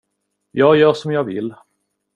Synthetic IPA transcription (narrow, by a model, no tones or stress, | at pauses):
jɑːɡjœːʂɔmjɑːɡvɪ̰lː